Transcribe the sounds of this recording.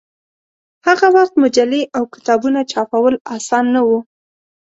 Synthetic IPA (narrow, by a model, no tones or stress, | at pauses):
haɣawaxt̪mʊd͡ʒaleʔawkɪ̥t̪ɑbunat͡ʃɑpawəlɑsɑnːawu